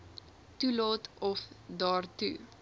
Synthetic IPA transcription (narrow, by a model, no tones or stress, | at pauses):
tulɑːtɔfdɑːrtu